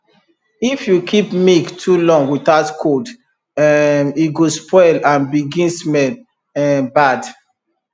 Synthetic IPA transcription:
ifjukʰipmiktʰulɔ̃ŋɡwiθatkʰod | iɡospʰɔɪlãnbiɡĩnsmɛl | ɛbad

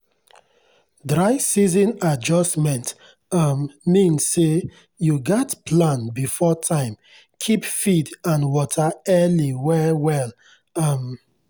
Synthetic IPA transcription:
dɹaɪsizɔ̃nad͡ʒɔstmɛ̃nt | ʌmːĩnse | juɡɔtpʰlãnbifɔtʰãɪ̃m | kʰipfidãnwɔtʰəɛliwɛwɛl | ʌm

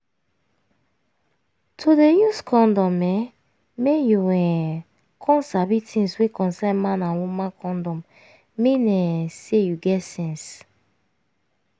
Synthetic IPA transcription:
tʰodejuskʰɔ̃ndɔ̃mɛ | mejuwɛ̃n | kʰɔ̃nsabitʰĩŋswekʰɔ̃nsɛ̃nmãnãnwumãnkʰɔ̃ndɔ̃mː | ĩnɛsejuɡɛtsɛ̃ns

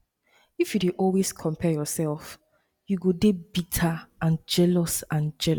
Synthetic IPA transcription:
ifjudẽʔɔlˠweskʰɔ̃mpʰɛjɔsɛlf | juɡodebitʰaãnd͡ʒɛlɔsãnd͡ʒɛl

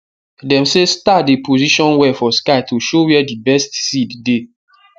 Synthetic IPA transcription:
dɛ̃msestatdepʰoziʃɔ̃nwɛfɔskaɪtʰuʃowɛdibɛstsidde

